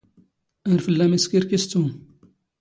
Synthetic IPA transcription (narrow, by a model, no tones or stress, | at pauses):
æɾfəlːæmiskiɾkist̪um